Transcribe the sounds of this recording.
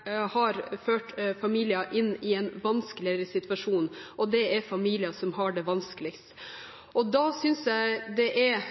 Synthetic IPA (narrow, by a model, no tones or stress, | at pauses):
hɑɾføːʈfɑmiːlɪɑʔɪnːɪɛnʋɑnskəlɪəɾəsɪt̪ʰʋɑʂuːnʔɔd̪ɛæɾfɑmiːlɪɑsɔmɦɑɖɛʋɑnskəlɪkst̪ | ʔɔd̪ɑsʏnsjæɪd̪ɛʔɛɾ